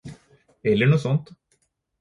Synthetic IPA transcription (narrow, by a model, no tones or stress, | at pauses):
ɛlːəɳuːsɔnt̪